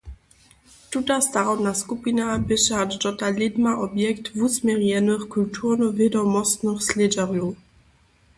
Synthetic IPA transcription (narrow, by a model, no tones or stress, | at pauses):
tut̪ast̪aʁɔd̪naskupʲinabɘʃaadt͡ʂɔtalʲed̪maʔɔbjɛkt̪vusmʲjɛʁjɛnɘxkultʰuʁnɔvʲjɛd̪ɔmɔst̪nɨxslʲed͡ʑaʁju